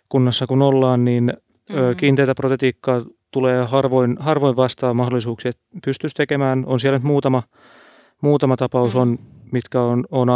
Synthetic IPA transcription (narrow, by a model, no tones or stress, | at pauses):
kunːɑsːɑkunolːɑːnniːn | øːkiːnt̪eit̪æprot̪et̪iːkːɑːt̪uleːhɑrʋoinhɑrʋoiʋʋɑst̪ɑːmɑhdolːˑisuːksiet̪pyst̪yst̪ekemæːnonsiælnyt̪muːt̪ɑmɑ | muːt̪ɑmɑt̪ɑpɑusonmit̪kæonon